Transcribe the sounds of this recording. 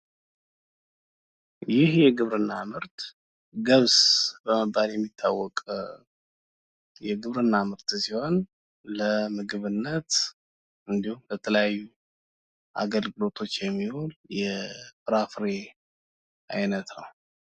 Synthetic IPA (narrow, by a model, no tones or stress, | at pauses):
jɪhjɛɡɨβɾɨnːamɨɾt̪ | ɡəβsbəməbːaljɛmːit̪ʰːawːɔkʼ | jɛɡɨβɾɨnːamɨɾt̪siho̞n | ləmɨɡɨβɨnːət̪ | ʔɨnd̪ihumbət̪ʰələjajːu | ʔa̰ɡəlɡɨlo̞t̪ʰo̞t͡ʃːjɛmːiholjɛfɨɾafɾe | ʔajnət̪nə̰w